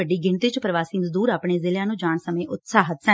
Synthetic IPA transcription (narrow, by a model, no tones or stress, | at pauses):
əɖiːɡɪɳt̪eːt͡ʃpɾəʋaːsiːzd̪uːɾaːpɳeːzɪlɪjãːnũːd͡ʒaːɳsəmẽːʔʊt̪saːɦət̪sɛ̃ː